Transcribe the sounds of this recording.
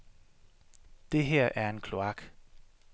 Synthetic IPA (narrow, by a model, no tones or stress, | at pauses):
d̥e̝ɦeɐ̰ʔæɐe̝nkʰlo̝ɑ̈ɡ̥